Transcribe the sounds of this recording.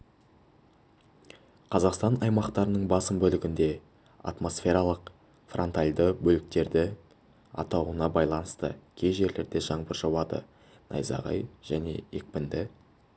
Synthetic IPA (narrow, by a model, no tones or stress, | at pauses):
qʰɑzɑqst̪ɑnɑjmɑqt̪ɑɾənəɴbɑsəmbɵlɪɡʲɪnd̪e̞ | ɑ̰t̪mo̞sfʲe̞ɾɑlˠəq | front̪alʲd̪əbɵlɪk̚t̪e̞ɾd̪ɪ | ɑ̰t̪ɑwənɑbɑjlˠɑnəst̪ə̰kʲʰe̞jʒe̞ɾle̞ɾd̪e̞ʒɑɴbəɾʒɑwɑd̪ə̰ | nʔɑ̰jzɑ̰ʁɑ̰jʒ̥æne̞̰ek̚pɪnd̪ɪ